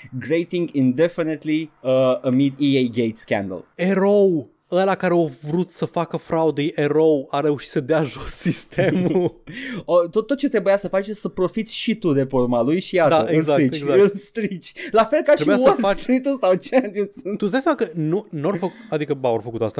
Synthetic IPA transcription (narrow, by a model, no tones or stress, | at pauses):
ɡɾejt̪iŋɡind̪efinet̪liəəmid̪iejɡejt̪skʲæ̰nd̪ə̰leɾow | əlakaɾeovɾut̪səfakəfɾaud̪ejʔeɾowaɾe̞uʃit̪səd̪eaʒossist̪ʰemuot̪ot̪ːot̪̚t͡ʃe̞t̪ɾebujasəfat͡ʃesəpɾo̞fit̪sʲʃit̪ud̪e̞formalujʃiatd̪aəeɨzaɾit͡ʃeɡzaolst̪ɾit͡ʃlafe̞lkaʃɾeibujawolst̪ɾit̪usawt͡ʃænt̪ust̪usd̪ajsamakənunuorfəkad̪ikəbaorfəkut̪oast̪a